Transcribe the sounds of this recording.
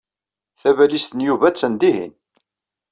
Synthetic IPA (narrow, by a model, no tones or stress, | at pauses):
θævælist̪ənjuvæt͡sːənd̪iɦḭn